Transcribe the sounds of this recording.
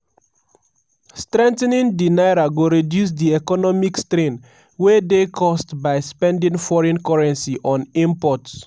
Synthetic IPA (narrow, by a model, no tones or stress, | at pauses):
stɹɛ̃ntnĩndinaɪɾaɡoɹidjus̬diɛkɔnɔmikstɾẽn | wedekʰɔstbaɪspɛ̃ndĩŋfɔɹɛ̃nkɔɹɛ̃nsiʔɔ̃nĩmpɔts